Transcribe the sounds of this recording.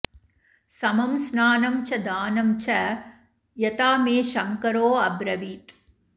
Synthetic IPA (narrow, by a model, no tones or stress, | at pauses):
sɐmɐmsnaːnɐmt͡ʃʰɐd̪aːnɐmt͡ʃʰɐ | jɐt̪aːmeːʃɐŋkɐɾoːɐbɾɐʋiːʈ